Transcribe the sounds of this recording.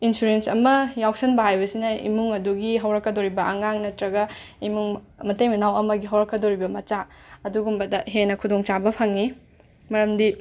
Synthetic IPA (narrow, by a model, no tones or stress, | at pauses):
insuɾensɐmɐjawsɐnbɐɦajbɐsinɐḭmuŋɐduɡiɦɐwɾɐkːɐdoɾibɐɐŋaŋnɐtɾɐɡɐimuŋ | mɐtejmɐnawɐmɐɡiɦɐwɾɐkːɐdoɾibɐmɐt͡ʃa | ɐduɡumbɐdɐɦenɐkʰudoŋt͡ʃabɐpʰɐŋni | mɐɾɐmdi